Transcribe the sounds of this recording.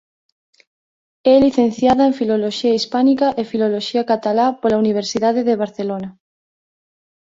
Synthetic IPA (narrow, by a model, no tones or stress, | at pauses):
ɛliθẽnθjaðaẽɱfiloloʃiaispanikaʔefiloloʃiakat̪alapolauniβ̞eɾsiðaðeðeβ̞aɾθelona